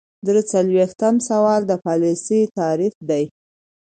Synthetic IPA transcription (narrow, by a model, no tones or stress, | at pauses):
d̪ɾət͡salwext̪amsawɑld̪əpɑlisəjt̪ɑɾifd̪aj